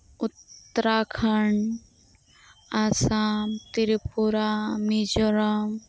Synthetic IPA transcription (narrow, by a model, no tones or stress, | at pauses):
ʊt̪ːəɾaːkʰɐɳ | asaːmt̪iɾipuɾamid͡ʒoɾɐm